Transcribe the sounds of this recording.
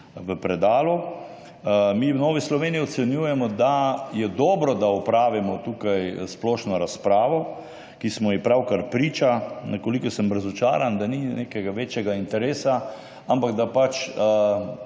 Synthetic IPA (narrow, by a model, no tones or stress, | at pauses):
ʋəpɾɛd̪aːlu | miwnɔːʋislɔʋeːniiɔt̪sɛnjujɛmɔd̪ajɛd̪ɔːbɾɔd̪aɔpɾaːʋimɔt̪uːkajsplɔːʃnɔɾaspɾaːʋɔ | kismɔjipɾawkaɾpɾiːt͡ʃanɛkolikɔsəmbɾazɔt͡ʃa̰ːɾand̪aninekɛɡaʋeːt͡ʃjɛɡaint̪ɛɾeːsa | ampaɡd̪apat͡ʃ